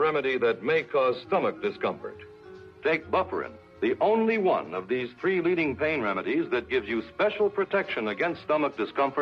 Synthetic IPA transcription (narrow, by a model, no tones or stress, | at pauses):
ɹɛmɨɾiðɨt̚meɪkʰɔz̥stʌmək̚d̥ɨskʰʌ̃ɱfə̰˞t̚ | feɪk̚b̥ʌfə̰˞ɨ̰̃n | ðiʔõʊ̃nliwʌ̰̃nʌvðiz̥θɹiliɾɪ̃ŋpʰẽɪ̃nɹɛmɨɾizðɨt̚ɡ̥ɪvzjɨspɛʃl̩ˠpʰɹ̥ɨtʰɛkʃɨ̃nɨɡɛ̃nststʌmək̚d̥ɨskʰʌ̃ɱfə˞